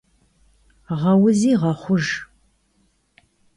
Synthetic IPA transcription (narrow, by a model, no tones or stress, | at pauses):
ʁɐwʊziːʁɐχʷʊʒ